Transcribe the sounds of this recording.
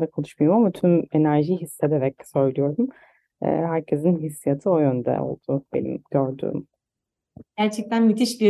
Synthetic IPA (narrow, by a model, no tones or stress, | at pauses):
d̪akʰolˠuʃmujomamat̪ʰyme̞næɾʒiɦisːed̪eɾɛcsø̞jlʲijo̞ɾum | ɛ̰ːɦæɾcʰe̞zinɦisːijat̪ʰɯojønd̪ɛ̰o̞̰lˠd̪̥ʊb̥e̞̰nḭmɟ̥øɾd̪y̰ːm | ɟ̥æɾt͡ʃʰɛc̚t̪ʰænmit̪ʰiʃbi